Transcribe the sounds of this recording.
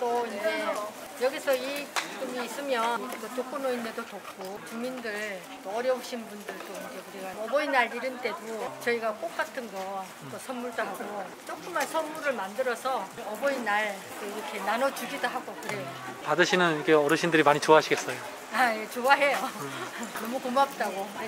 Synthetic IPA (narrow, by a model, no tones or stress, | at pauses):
t͈oind͡ʑd͡ʑe | jʌɡisʰʌip͈umiːs͈ɯmjʌt͈ot͈ok͈onoinːe̞dotok̚k͈ʰopumindɯɭ | t͈oʌɾjʌuɕʰinbundɯɭt͈oind͡ʑe̞kuɾiɡanʌbʌinaɾiɾɯnt͈e̞dot͡ɕʌiɡak͈ok͈atʰɯnɡʌ | t͈osʰʌnmuɭdoɦaɡo | t͡ɕ͈ok͈ɯmansʰʌnmuɾɯɭmandɯɾʌsʰʌʌbʌinaɭ | t͈oiɾʌkʰe̞nanʌt͡ɕuɡidoɦaɡokɯɾe̞jopadɯɕʰinɯnɾkʰeʌɾɯɕʰindɯɾimaɲit͡ɕoaɦaɕʰiɡe̞s͈ʌjo | aje̞t͡ɕoaɦejo | nʌmukomap̚t͈aɡokɯɾe